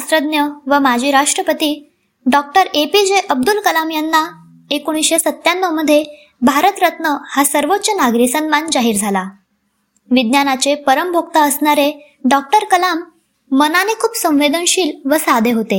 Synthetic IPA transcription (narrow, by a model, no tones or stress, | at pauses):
asɾəd̪njəʋəmad͡ʑʱiːɾaʂʈɾəpət̪iː | ɖɔk̚ʈəɾepid͡ʑeʔəb̚d̪ulkəlamjanːa | ekoɽ̃isɕesət̪ːjanːəməd̪ʱːje | bʱaɾət̪ɾət̪nəhasəɾʋot̪ːt͡ɕənaɡɾisənmand͡ʑaɦiːɾd͡zʱala | ʋid̪njanat͡ɕepəɾəmbʱokt̪aəsnaɾe | ɖɔk̚ʈəɾkəlamː | ənanekʰuːpsə̃w̃ʋed̪ənɕiːlʋəsad̪eɦot̪e